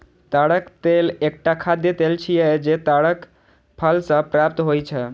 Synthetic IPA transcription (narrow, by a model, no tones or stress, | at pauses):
t̪aɽəkt̪elek̚ʈakʰad̪et̪elt͡ʃʰijɛd͡ʒet̪aɽək | pʰəlsə̃pɾap̚t̪ɦojt͡ʃʰɛ